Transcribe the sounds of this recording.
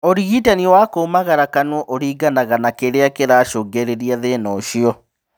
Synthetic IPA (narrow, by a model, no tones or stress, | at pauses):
oɾiɣitaniwakomaɣaɾakanɔʔoɾiːɡanaɣanakeɾeakeɾaːʃoɡeɾeɾiaðenɔʃiɔ